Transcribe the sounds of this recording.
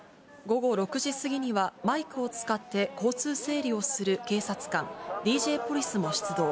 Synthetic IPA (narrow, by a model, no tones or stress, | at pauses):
ɡo̞ɡo̞ɾo̞kɯ̟ʑisɨɡʲiɲ̟iβamaikɯ̟o̞t͡sɨ̥kat̪ːe̞ko̞ːt͡sɨːse̞ːɾʲio̞sɨɾɯ̟ke̞ːsat͡sɨ̥kãŋdʲiːʑe̞ːpo̞ɾʲisɨmo̞ɕi̥t͡sɨd̪o̞ː